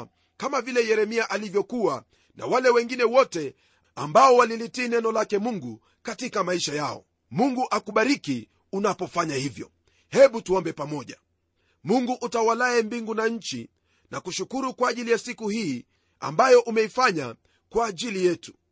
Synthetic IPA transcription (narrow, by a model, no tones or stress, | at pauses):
kamavilɛjɛɾɛmiaʔalivjɔkuwa | na̰walɛwɛŋɡinɛwɔtɛ | ambaɔwalilitiːnɛnɔlakɛmuŋɡu | katikamaiʃajaɔ̰ | muŋɡuʔakuɓaɾiki | unapɔfaɲahivjɔ̰ | hɛɓutuɔmbɛpamɔʄa | muŋɡuʔutawalaɛmbiŋɡunaɲ̩t͡ʃi | nakuʃukuɾukwaːʄilijasikuhiː | a̰mbajɔʔumɛifaɲa | kwaːʄilijɛtu̥